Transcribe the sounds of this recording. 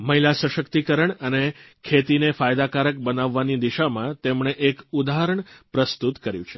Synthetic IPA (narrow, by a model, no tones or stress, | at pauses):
məɦilasəʃəkt̪ikəɾəɳəne | kʰet̪inefajd̪akaɾək̚bənaʋːanid̪iʃamãt̪emɳeʔekud̪aɦəɾəɳpɾəst̪ut̪kəɾjũt͡ʃʰe̥